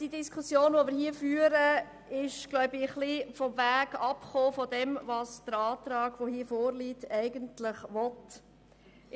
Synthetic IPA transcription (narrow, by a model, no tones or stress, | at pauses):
d̥idiskʰusjoːnʋomɪɾhiːəfyːəɾə | ɪʃɡ̥lɔʊbɪχlifɔmvæːɡ̥ɑpχoːfɔdɛmvɑːsd̥əɾɑːt̪ɾɑːɡ̥ʋohiːfoːɾliːtɛɪɡəntlɪχʋɔt